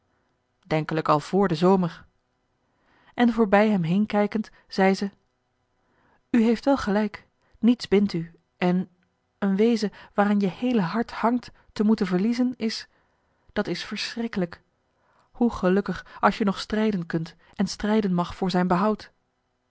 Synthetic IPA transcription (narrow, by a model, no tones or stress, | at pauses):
dɛŋkələkɑlˠv̥ʊːɹdəzowməɹ | ʔɛnvʊːɹbɛjɦɛmɦejnkɛjkənt | z̥ɛjzə | yɦejftʋɛlˠχəlɛjk | nitzbɪnty | ʔɛn | ənʋejzəʋaːɾanjəhejləɦɑɹthɑŋtː | əmutənvəɹlizənɪs | d̥ɑtɪsfəɹsrɪkələk | huχəlɵkəχɑlˠʃjənɔχstrɛjdənkɵnt | ɛnstrɛjdənmɑχfʊːɹzɛjnbəɦɑwt